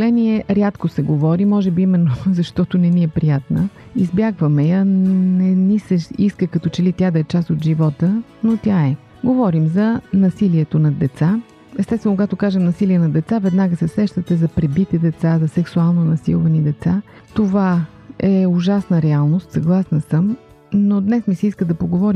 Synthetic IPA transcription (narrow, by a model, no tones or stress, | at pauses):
lɛniɛɾʲat̪kosɛɡovɔɾimɔʒɛbiimɛnːozɐʃt̪ɔt̪onɛniɛpɾijat̪nə | izbjaɡvəmɛjənɛnisəʃiskəkɐt̪ɔt͡ʃɛlit̪ʲjad̪ɐɛt͡ʃasod̪ʒivɔt̪ə | not̪ʲaɛ | ɡovɔɾimzɐnɐsiliɛt̪onɐd̪ɛt̪sa | ɛst̪ɛst̪vɛnʊkoɡat̪okaʒɛmnɐsiliɛnɐd̪ɛt̪savɛd̪naɡəsɛsɾɛʃt̪ət̪ɛzɐpɾɛbit̪ɛd̪ɛt̪sazɐsɛksualˠnonɐsḭlˠvɐnid̪ɛt̪sa | t̪ova | ɛʊʒasnəɾɛalˠnost̪sɐɡlˠasnəsəm | nod̪nɛsmisɛiskəd̪ɐpoɡovɔɾim